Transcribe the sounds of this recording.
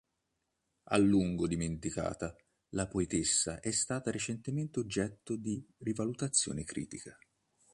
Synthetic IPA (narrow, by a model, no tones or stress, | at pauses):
a̰lːuŋɡod̪iment̪ika̰ːt̪a | lapoet̪esːaʔɛst̪aːt̪aɾet͡ʃent̪ement̪eod͡ʒːɛt̪ːod̪irivalut̪at̪sːjo̰ːnekɾḭːt̪ika